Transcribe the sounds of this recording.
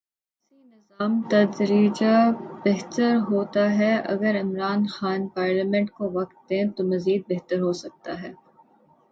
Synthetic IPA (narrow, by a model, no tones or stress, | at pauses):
sinɪzaːmt̪ɐd̪ɾiːd͡ʒabeɦt̪əɾɦoːt̪aɦɛʔɐ̰ɡəɾɪmɾaːnxaːnpaːɾlaːmɛ̃ɳʈkoʋɐk̚t̪̚d̪ẽːt̪omɐziːd̪̚beɦt̪əɾɦoːsɐk̚t̪aɦɛː